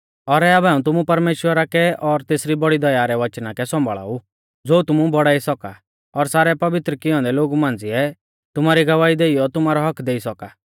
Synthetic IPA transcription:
ɔɾɛabɛãːũt̪̬ʊmupɐɾmeːʃwəɾakɛɔɾt̪eːsɾibɔɽid̪ɐjaɾɛʋɐt͡ʃnakɛsɔ̃mbʱɭa̰ːu | d͡zoːut̪ʊmubɔɽaːisɔka | ɔɾsaːɾɛpɐʋɪt̪ɾəkɪjɔ̃ːnd̪ɛloːɡumãːnd͡ziɛ | t̪ʊmaːɾiɡɐʋaːid̪eːijɔt̪ʊmaːɾɔɦɐkʰd̪eːisɔka

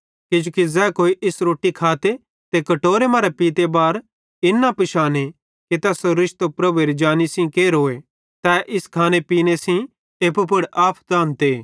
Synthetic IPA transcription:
ked͡ʒuːkizɛːkoːiʔɪsɾoːʈːikʰaːt̪e | t̪ekɐʈoːɾemaːɾepiːt̪ebaːɾ | ɪnːapɪʃaːne | ket̪ɛːsoɾɪʃt̪opɾɐbueːɾid͡ʒaːnisĩkeːɾɦoːe | t̪ɛːʔɪskʰaːnepiːnesĩ | eːpup̬ʊɽaːpʰd̪ãːnt̪eː

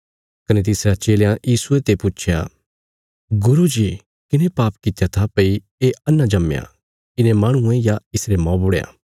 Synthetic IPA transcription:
kɐnet̪̬ɪsɾat͡ʃeːljãjiːsuet̪epuːt͡ʃʰja | ɡʊɾud͡ʒi | kɪnẽpaːpkɪt̪ejat̪ʰapɐi | eɐnːãd͡ʒɐmja̰ | ɪnẽmaːɽ̃ʊ̃ẽjaɪsɾemɔ̃ːbʊɽejã̰

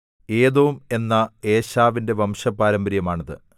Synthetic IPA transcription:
e̞ːðoume̞nːɐe̞ːɕaːʋinde̞ʋɐmʂɐpːaːɾɐmbɾjɐmaːɳɐðɨ̰

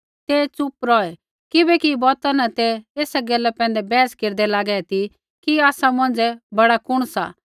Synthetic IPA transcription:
t̪et͡sʊpɾɔːɛ | kɪbɛkibɔːt̪anɐt̪ɛeːsɛɡɛlːɛpɛ̃ːnd̪ɛbɛːskeːɾd̪ɛlaːɡɛt̪ʰi | kiaːsamɐ̃nd͡zɛbɐɽakʊɽ̃sa̰ː

